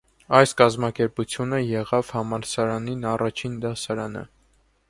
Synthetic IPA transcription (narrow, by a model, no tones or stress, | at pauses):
ɑjskɑzmɑkɛɾput͡sʰjunəjɛʁɑvhɑmɑlsɑɾɑninɑrɑt͡ʃʰind̪ɑsɑɾɑnə̰